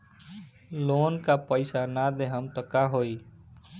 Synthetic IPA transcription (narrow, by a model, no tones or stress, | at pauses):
loːnkapəɪsanad̪eɦəmt̪əkaɦoːiː